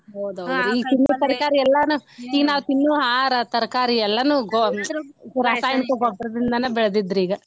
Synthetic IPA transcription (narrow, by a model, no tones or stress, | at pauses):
owd̪oɾiːt̪inːut̪ɐɾɐkaːɾiɛlːɐnuiːɡɐnaːʋut̪inːuɦaːɾɐt̪ɐɾɐkaːɾiɛlːɐnuɡɔsuɾaːsaːjɐɳkuɡɔbɾɐd̪ind̪ɐnɐbiɭɐd̪id̪ɾiːɡɐ